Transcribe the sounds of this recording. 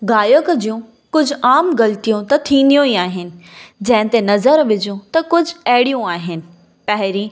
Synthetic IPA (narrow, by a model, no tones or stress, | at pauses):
ɡaːjəkd͡ʑijũ | kʊd͡ʑʱʊaːmɡɐlt̪ijũt̪ɐt̪ʰĩːn̆d̪ijũiaːɦɪnɪ̆d͡ʑɐ̃ɦɪ̃t̪enɐzəɾʋɪd͡ʑjũt̪ɐkʊd͡ʑʱɐɦɪɽijũaːɦɪnɪ̆ | pɐɦɪɾĩː